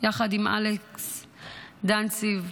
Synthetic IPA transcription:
jaχadimʔa̰leks | d̪ansiv

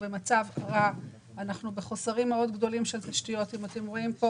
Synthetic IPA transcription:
bemat͡savkaʁa | anaχnube̞χo̞saʁimːeo̞dɡdo̞limʃeltaʃtijo̞timate̞mʁo̞impo

